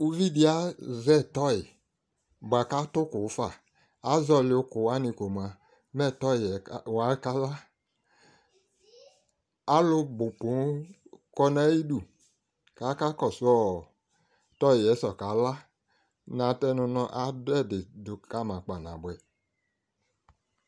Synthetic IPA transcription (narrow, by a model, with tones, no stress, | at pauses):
u˦vi˦di˦a˦zɛ˦˨tɔ˦i˨ | ba˨ka˦tʊ˦kʊ˨˦fa˦˨ | a˨˦zɔ˧lɪ˨o˦kʊ˨wa˦ni˧ko˨ma˨ | mɛ˦˨tɔ˦i˨wa˨˦ka˦la˦ | a˦lʊ˧bʊ˨pu˨˦kɔ˧na˦ji˦du˨ | ka˨˦ka˦kɔ˨su˦ɔ˦˨ | tɔ˦i˨jɛ˨˦sɔ˨ka˨˦la˦ | nã˨˦tɛ˦nʊ˧nɔ˧ʔa˨dɛ˦˨dɪ˨dʊ˨ka˦mã˨k͡pa˨na˨bwɛ˨